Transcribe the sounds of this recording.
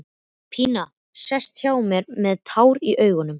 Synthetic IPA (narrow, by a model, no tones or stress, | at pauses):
pʰiːna | sɛst̪çjaːwmɛɾmɛðt̪ʰaːwɾiʔœːɥɣʏnʏm